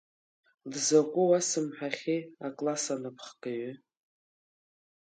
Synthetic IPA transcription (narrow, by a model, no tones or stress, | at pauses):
dzakʷʼʊwasɨmħaχʲiakʼlasanɨpʰχkʼaɥʏ